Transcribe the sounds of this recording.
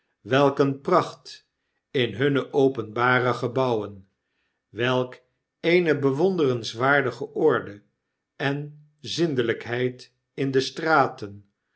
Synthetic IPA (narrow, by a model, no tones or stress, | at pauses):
ʋɛlˠkənprɑχt | ɪnɦɵnəʔowpənbaːrəχəbɑwən | ʋɛlˠk | ejnəbəʋondərənsʋaːɹdəχəʔɔɹdə | ɛn | zɪndələkɦɛjt | ɪndəstraːtən